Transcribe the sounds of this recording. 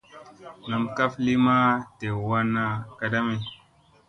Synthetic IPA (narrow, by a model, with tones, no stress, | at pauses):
na˨mka˦fli˦ma˦te˨wa˦nːa˦ka˨da˦me˨